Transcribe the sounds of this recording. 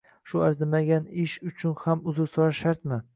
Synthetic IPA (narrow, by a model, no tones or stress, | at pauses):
ʃʊaɾzɪmaɡʲanɪʃʊt͡ʃʰʊnhamʊzʊɾsɒɾaʃaɾt̪mɪ